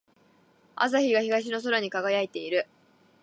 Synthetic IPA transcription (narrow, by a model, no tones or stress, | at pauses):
a̰z̬açiɡaçiɡaɕ̬ino̞s̬o̞ɾaɲ̟ikaɡajait̪e̞iɾɯ̟